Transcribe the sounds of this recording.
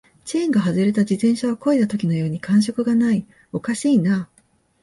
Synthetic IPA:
t͡ɕiẽŋɡaɦazɨɾe̞t̪ad͡ʑit̪ẽ̞ɰ̃ɕaβ̞ako̞id̪at̪o̞kʲino̞jo̞ːɲ̟ikãɰ̃ɕ̬o̞kɯ̟ɡanai | o̞kaɕiːna

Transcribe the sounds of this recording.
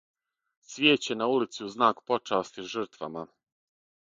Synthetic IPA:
sʋʲjeːt͡ɕenaulit̪siuznaːkpo̞t͡ʂaːst̪iʒr̩t̪ʋa̰ma

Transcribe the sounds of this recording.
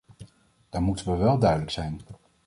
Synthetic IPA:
d̥aːɹmutənʋəʋɛlˠdœɥdələksɛjn

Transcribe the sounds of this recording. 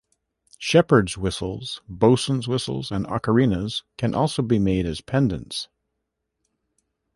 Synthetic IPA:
ʃɛpə˞dzwɪsl̩ˠz̥boʊsn̩zwɪsl̩ˠzɨ̃nɑ̰kə˞ĩnəz̥kʰɨ̃nʔɔlˠsoʊbimeɪɾɨz̥pʰɛ̃ndɨ̰̃nts

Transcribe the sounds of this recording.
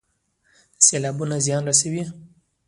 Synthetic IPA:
selɑbunazijɑnɾasawi

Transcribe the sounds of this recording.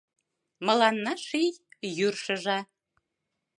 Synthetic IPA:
mɤ̆lɑnːɑʃijjyrʃə̆ʒɑ

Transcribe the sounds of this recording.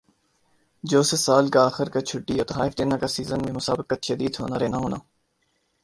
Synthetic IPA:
d͡ʒoːsesaːlkaaːxɪɾkat͡ʃʰʊʈːiot̪ɐɦaːɪfd̪eːnakasiːzənmẽmʊsaːbɪkːaʃɐd̪iːd̪ɦo̰ːnaɾɛːnaɦoːna̰ː

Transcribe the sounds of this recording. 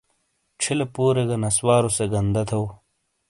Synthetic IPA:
ʈ͡ʂʰilɐpuːɾeɡɐnɐswaːɾoseɡɐnd̪ɐt̪ʰɐw

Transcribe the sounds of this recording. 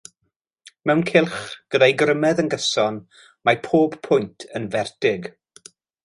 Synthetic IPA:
mɛwnkʰɪlˠχɡ̥ədajɡrəmɛðənɡəsɔn | mapʰoːb̥pʰʊjntʰənvɛrdɪɡ

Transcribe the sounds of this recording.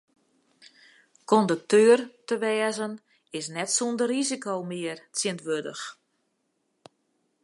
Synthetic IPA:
kɔndək̚tʰøːərtəʋɛːəzən | ɪsnɛtsundərrizikowmɪərt͡sɪəntʋødə̰x

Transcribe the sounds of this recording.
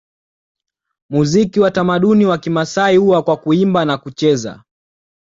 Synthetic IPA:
muzikiwatamaɗuniwakimasaiuwakwakuimbanakut͡ʃɛza̰

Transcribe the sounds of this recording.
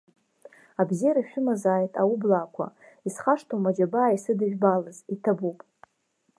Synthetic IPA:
abzijaɾaʃᶣʊmazaːjtʼaublaːkʷʰa̰ | isχaʂtʰomad͡ʒabaːisɨdɨʒᶣbalɨzitʰabupʼ

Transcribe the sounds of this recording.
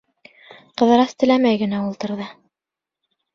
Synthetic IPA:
qɤ̆ðɤ̆ɾɑst̪ɘ̆læmæjɡɘ̆næulˠt̪ɤ̆ɾðɤ

